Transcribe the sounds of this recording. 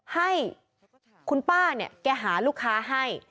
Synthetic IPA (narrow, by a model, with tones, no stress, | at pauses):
ha˥˩j | kʰu˧npaː˥˩ni˥˩kɛː˧ɦaː˩˦luː˥˩kʰːaː˦˥ɦa˥˩j